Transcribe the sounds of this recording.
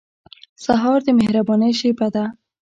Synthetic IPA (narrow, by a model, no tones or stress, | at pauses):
saɦɑɾd̪əmehɾabɔnəjʃebad̪a